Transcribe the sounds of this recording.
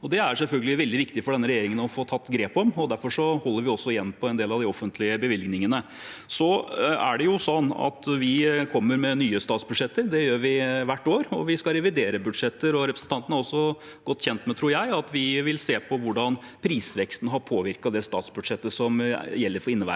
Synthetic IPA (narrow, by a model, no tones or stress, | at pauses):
ɔd̪ɛæɾsɛlfœlɡəlɪʋɛld̪ɪʋɪkt̪ɪfɔɖɛnːəɾɛjeːɾɪŋənɔfoːt̪ʰɑt̪ːɡɾeːpɔmɔd̪æɾfɔʂɔhɔlːəɾʋɪɔsːɔɪjɛnːpʰɔɛnd̪eːlɑʋd̪ɪɔfənt̪ʰlɪəbəʋɪlɡnɪŋənə | sɔæ̰ɖɛjʊsɔnːɑ̰t̪ʋɪkʰɔmːəɾmɛnyːəst̪ɑːt̪sbʉd̪ʂɛt̪ːəɾd̪ɛjøːɾʋɪʋæʈːoːɾɔʋɪskɑɾɛʋɪd̪eːɾəbʉd̪ʂɛt̪ːəɾɔɾɛpɾəsn̩t̪ɑnt̪ənæɾɔsːɔ | ɡ̥ɔt̪ːçɛnt̪mɛt̪ʰɾuːɾjæɪɑt̪ʋɪʋɪlseːpʰɔʋʊɖɑnpʰɾiːsʋɛkst̪n̩ɦɑɾpʰoːʋɪɾkɑd̪ɛst̪ɑːt̪sbʉd̪ʂɛt̪ːəsɔmjɛlːəɾfɔɾɪnːəʋbæ̰